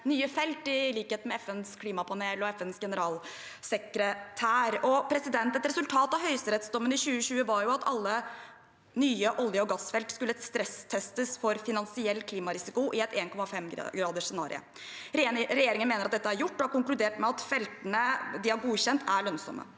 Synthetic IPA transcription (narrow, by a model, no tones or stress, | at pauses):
nyːəfɛlt̪ɪliːkheːt̪mɛɛfɛnskʰliːmɑpʰɑneːlɔɛfɛnsɡɛnəɾɑːl | sɛkɾət̪ʰæːɾɔpʰɾɛsɪd̪ɛnt̪ɛt̪ɾɛsʉlt̪ʰɑːt̪ɑʋhœʏsəɾɛt̪sd̪ɔmːənɪɕʉːəɕʉːəʋɑɾjʊɑt̪ɑlːə | nyːəʔɔljəɔɡɑsfɛlt̪skʉlːəst̪ɾɛst̪ʰɛst̪əsfɔɾfɪnɑnsɪɛlːkʰliːmɑɾɪsɪkʊʔɪɛt̪eːnkʰɔmɑfɛmɡɾɑːd̪əʂsɛnɑ̰ːɾɪ̰ə̰ | ɾɛjeːɾɪŋənmeːnəɾɑt̪̚d̪ɛt̪ːəæɾjʊʈːɔhɑɾkʊŋklʉd̪eːʈmɛɑt̪fɛlt̪ənəd̪ɪhɑɾɡuːɕɛnt̪ʰæɭœnsɔ̰mə̰